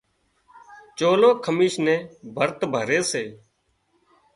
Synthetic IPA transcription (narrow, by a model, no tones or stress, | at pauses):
t͡ʃoːloːkʰəmiːʃnẽːbʱəɾt̪bʱəɾeːseː